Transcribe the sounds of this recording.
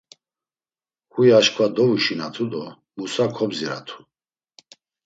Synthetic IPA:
kujaʃkʰvad̪ɔvuʃinat̪ʰud̪ɔ | musakʰɔbziɾa̰t̪ʰu̥

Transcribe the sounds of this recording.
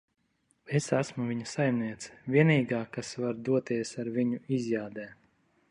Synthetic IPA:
esæsmuvʲiɲɐsajmniɛt̪sɛ̥vʲiɛniːɡaːkasvaɾd̪uɔt̪iɛsaɾviɲuizjaːd̪ɛː

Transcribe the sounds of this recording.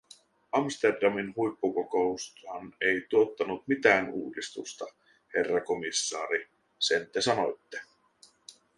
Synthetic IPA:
ɑmst̪e̞rdɑminhujpːukoko̞ust̪hɑne̞jt̪uo̞t̪ːɑnut̪mit̪æːnṵːdist̪ṵst̪ɑ | he̞rːɑko̞misːɑːɾi | sent̪esɑno̞jt̪ːe

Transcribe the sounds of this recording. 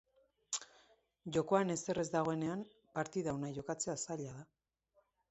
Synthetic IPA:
ʝo̞ko̞ane̞se̞re̞zd̪aɣ̞o̞e̞ne̞am | paɾt̪iðaonaʝo̞kat͡se̞asaʎaða

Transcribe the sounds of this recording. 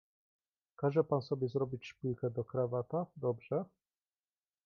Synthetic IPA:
kaʐɛpansɔbʲjɛzɾɔbʲit͡ɕʂpʲujkɛd̪ɔkɾavat̪ad̪ɔbʐɛ

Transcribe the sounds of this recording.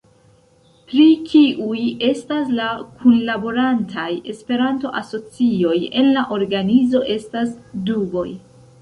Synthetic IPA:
pɾit͡ʃiʔuje̞staslakʰunlabo̞ɾantʰaje̞spe̞ɾanto̞ʔaso̞t͡sio̞je̞nlaʔo̞ɾɡanizo̞ʔe̞stasduɡo̞j

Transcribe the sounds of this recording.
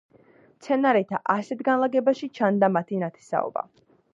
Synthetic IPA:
mt̪sʰɛnaɾɛt̪ʰaʔasɛt̪ʰɡanlˠaɡɛbaʃit͡ʃʰand̪amat̪ʰinat̪ʰɛ̥sa̰ɔ̰ba̰

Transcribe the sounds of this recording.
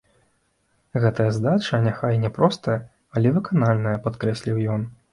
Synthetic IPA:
ɣɛt̪ɐjɐzd̪at͡ʂɐnʲaxajnʲɛpɾɔst̪ɐjɐ | ɐlʲɛvɨkanalʲnɐjɐpat̪kɾɛsʲlʲiwjɔn

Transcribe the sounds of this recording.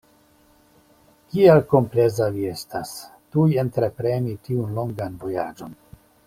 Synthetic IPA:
kialko̞mple̞zavie̞stastujentɾe̞pɾe̞nitiunlo̞ŋɡanvo̞ja̰d͡ʒo̞n

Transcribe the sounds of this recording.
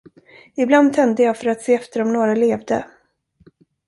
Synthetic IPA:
ɪbland̪̚t̪ʰɛnd̪əjɑːɡfœɾat̪seːɛft̪əɾɔmnoːɾaleːvd̪ə

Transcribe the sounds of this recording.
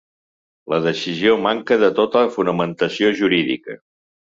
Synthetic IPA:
ləðəsiziomaŋkəðət̪ot̪əəfunəmənt̪əsioʒuɾiðḭkə̰

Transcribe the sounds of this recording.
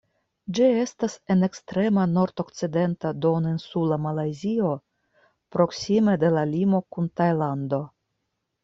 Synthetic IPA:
d͡ʒie̞stase̞ne̞kstɾe̞mano̞ɾt̪o̞kt͡side̞ntad̪o̞ninsulamalajzio̞ | pɾo̞ksime̞de̞lalimo̞kuntajland̪o̞

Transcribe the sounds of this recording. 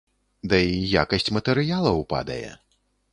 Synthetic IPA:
d̪ɐijakɐsʲt͡sʲmɐt̪ɛɾɨjalˠɐwpa̰d̪ɐ̰jɛ̰

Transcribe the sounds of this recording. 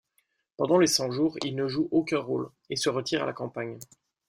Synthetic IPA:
pɑ̃d̪ɑ̃lesɑ̃ʒuːʁilnəʒuʔokʲɛ̃ʁol | esəʁət̪ʰiʁa̰lakɑ̃paɲ

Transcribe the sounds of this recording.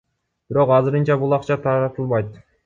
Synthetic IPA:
b̥iɾo̞qɑzɨɾɯnt͡ʃɑbulˠɑqt͡ʃɑt̪ʰɑɾɑt̪ɯlˠbɑjt̪

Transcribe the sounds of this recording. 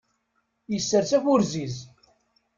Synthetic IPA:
jəsːəɾsæfʊɾziz

